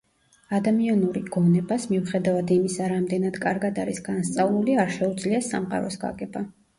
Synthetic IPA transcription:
ad̪amianuɾiɡ̥ɔnɛbasmiuχɛd̪avad̪imisaɾamd̪ɛnad̪kʼaɾɡad̪aɾisɡ̥anst̪sʼavlˠuliaɾʃɛud̪zliasa̰mqʼa̰ɾɔsɡa̰ɡɛba

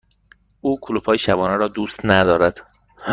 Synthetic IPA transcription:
ʔuːkʰolufʰɒːjeʃæbɒːnæɾɒːd̪uːst̪næd̪ɒːɾæd̪̥ | h

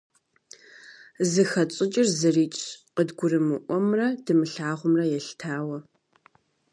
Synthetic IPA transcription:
zɨxɐt͡sʼɪt͡ʃʼɪrzɨriːt͡ʃʼqədɡʷʊrɨmɨʔʷɔmrɐdɨmɨɬaːʁʷʊmrɐjɛɬtʰaːwɐ

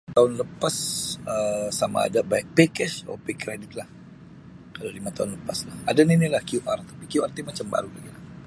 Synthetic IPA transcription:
t̪aʊnləpasəsama̰ːdabajk̚pekɛso̰pekɾedɪt̪̚lah | kalalimat̪aʊnləpaslahadaninilahkjuʔart̪apikjuart̪imat͡ʃamba̰ɾula̰ɡilah

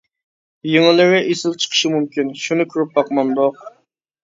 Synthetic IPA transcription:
jeŋɪlˠɪwɪʔesɪlt͡ʃʰə̥qʰə̥ʃɪmumkʲinʃunɨkʰʲyɾyp̚bɑqmɑnd̪oq

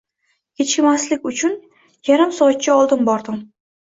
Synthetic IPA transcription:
kʲʰet͡ʃʲɪmaslɪkʲʊt͡ʃʰʊn | jaɾamsɒat̪̚t͡ʃʰaɒlˠd̪ɪnbɒɾd̪ɪm

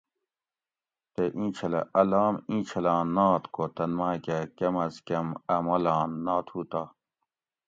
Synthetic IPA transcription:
t̪eʔĩːt͡ɕʰɐlɐ̰ʔɐlaːmĩːt͡ɕʰɐlãːnːaːt̪kot̪ɐnmaːkekemɐskemɐmɐlaːnːaːt̪ʰuːt̪a

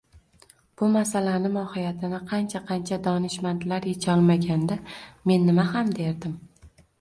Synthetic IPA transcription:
b̥ʊmasalanɪmɒhɪjat̪ʰɪnɪqʰɑnt͡ʃʰaqʰɑnt͡ʃʰad̪ɒnɪʃmant̪laɾjet͡ʃʰɒlˠmaɡʲand̪ame̞nːɪmahamd̪e̞ɾd̪ɪm

